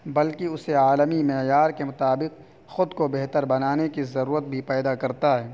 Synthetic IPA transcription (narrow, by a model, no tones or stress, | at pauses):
bɐlkiʊseaːləmimɛːjaːɾkemʊt̪aːbɪq̚ | xʊd̪kobɛɦt̪əɾbɐnaːnekizɐɾuːɾət̪̚bʱipɛːd̪akɐɾt̪aɦɛː